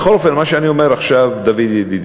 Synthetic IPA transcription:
xo̞lofenmaʃeaniome̞ɾaχʃavd̪avid̪jed̪id̪

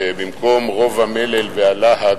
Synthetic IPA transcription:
bimko̞mʁo̞vamelelvealaha

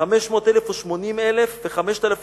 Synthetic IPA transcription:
ameʃmo̞ːt̪elefoʃmo̞nimelefveχameʃt̪alaf

